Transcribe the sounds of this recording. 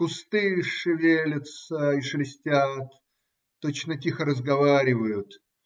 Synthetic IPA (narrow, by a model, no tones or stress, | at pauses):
pʊst̪ɨʂɨvʲelʲət̪səiʂlʲɪsʲtʲat̪ː | ot͡ɕnətʲixəɾəzɡɐvaɾʲɪvəjʊt̪